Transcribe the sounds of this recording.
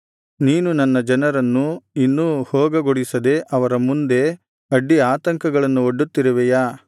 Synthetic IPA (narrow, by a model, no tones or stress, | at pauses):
niːnunɐnːɐd͡ʒɐnɐɾɐnːuinːuhɔːɡɐɡoɽisɐd̪e̞ʔɐʋɐɾɐmund̪e̞ | ɐɖːiaːt̪ɐŋkɐɡɐɭɐnːuoɖːut̪ːiɾɐʋɛjaː